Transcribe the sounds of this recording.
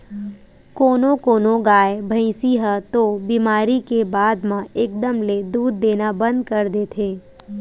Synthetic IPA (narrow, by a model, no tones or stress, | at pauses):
koːnõkoːnõɡaːebʱə̃ĩsiɦət̪obiːmaːɾikebaːd̪mãeːk̚d̪əmled̪uːd̪ːeːnabə̃nd̪kəɾd̪eːt̪ʰeː